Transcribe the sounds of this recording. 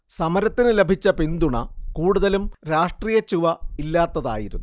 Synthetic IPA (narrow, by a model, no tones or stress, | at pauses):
sɐmɐɾɐt̪ːinɨle̞bʱit͡ɕːɐpind̪uɳɐ̰kuːɽuðɐlumɾaːʂʈriːjɐt͡ɕːuʋɐilːaːt̪ːɐða̰ːjiɾunːu